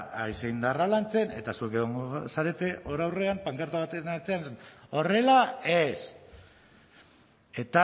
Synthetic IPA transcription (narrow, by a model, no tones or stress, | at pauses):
ajseind̪aralant͡se̞ne̞̰t̪asue̞keɣ̞o̞ŋɡosaɾe̞t̪e̞ʔo̞ɾawre̞ampaŋkaɾt̪aβat̪enat͡seansano̞re̞lae̞s | e̞t̪a